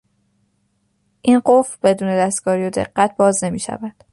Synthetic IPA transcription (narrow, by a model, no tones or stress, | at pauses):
ʔinɢofɾbe̞d̪uːne̞d̪æst̪̚ɡ̥ɒːɾiːod̪e̞̰ɢːæt̪̚ʰbɒːzne̞miːʃæ̰væd̪̥